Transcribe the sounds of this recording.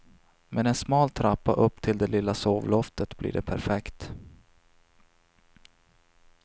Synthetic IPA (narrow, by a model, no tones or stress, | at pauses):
mʔɛnɛnsmɑːlt̪ʰɾapːa̰ʔɵpːt̪ʰɪld̪ɛlɪlːasoːvlɔft̪ət̪blḭːɖɛpʰæɾfɛkt̪